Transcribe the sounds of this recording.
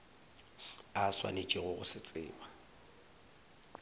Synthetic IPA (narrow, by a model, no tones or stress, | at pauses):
aswa̰net͡ʃʼiɣʊɣʊ̰sɪt͡sʼɪ̰ːba